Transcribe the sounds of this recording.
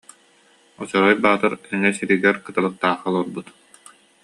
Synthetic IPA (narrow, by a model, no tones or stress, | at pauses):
ɔt͡ɕɔɾɔjbaːt̪ɯɾɛŋɛsiɾiɡɛɾkɯt̪alˠɯk̚t̪aːχalˠuɾbut̪